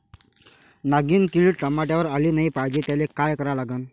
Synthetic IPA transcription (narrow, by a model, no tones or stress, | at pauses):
naɡiːnkiʋiːʈɾəmaʈjaʋəɾaliːnaɦipajd͡ʑit̪jalekajkəɾalaɡən